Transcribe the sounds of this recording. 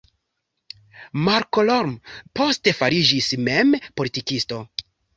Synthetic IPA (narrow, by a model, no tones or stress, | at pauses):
maɾkolo̞ɾmpo̞ste̞faɾid͡ʒisme̞mpolitikisto̞